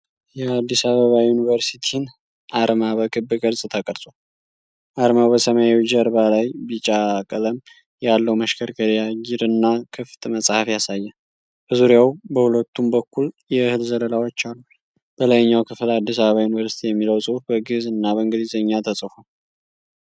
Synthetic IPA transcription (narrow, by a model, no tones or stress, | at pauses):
jɛad̪ːisaβəβajunivəɾsit̪ʰin | ʔaɾmaβəkʼɨbːɨkʼɨɾsʼt̪ʰəkʼəɾsʼo | ʔaɾmawbəsəmajawd͡ʒəɾbalajbit͡ʃʼakʼələm | jalːəwməʃkʰəɾkʰəɾijaɡiɾɨnːakʰɨft̪ʼməsʼhafjasajːɛ | b̥əzuɾjawbəhulət̪ʰːumbəkːuljɛhɨlzələlawot͡ʃːalːu | b̥ələjɲːawkʰɨflad̪ːis̬aβəβajunivəɾsi̥t̪ʰijɛmːiləwsʼɨhufbəɡɨzɨnːabəɨŋɡɨd̪izəɲːat̪ʰəsʼfo